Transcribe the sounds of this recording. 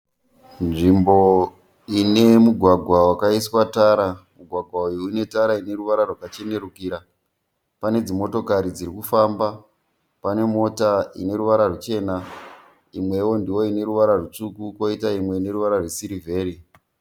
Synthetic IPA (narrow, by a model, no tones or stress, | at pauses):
nʐimbo̞ | ine̞muɡʱwaɡʱwawakaiswataːɾamuɡʱwaɡʱwaujoine̞taɾaine̞ɾuʋaɾarwakat͡ʃe̞ne̞rukiːɾa | pane̞d͡zimo̞to̞kaɾid͡ziɾikufamba | pane̞mo̞taḭne̞ɾuʋaɾarut͡ʃe̞ːna | imwe̞wo̞ndiwo̞ine̞ɾuʋaɾarut͡sukuko̞itaimwe̞ine̞ɾuʋaɾarwesiɾive̞ːɾi